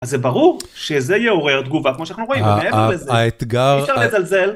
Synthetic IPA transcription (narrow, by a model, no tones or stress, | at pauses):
azebaʁuʁʃezejeo̞ʁeʁt̪̚ɡuvakmoʃananuʁoimeeveʁlezeet̪ɡaʁʃaʁlezalze̞l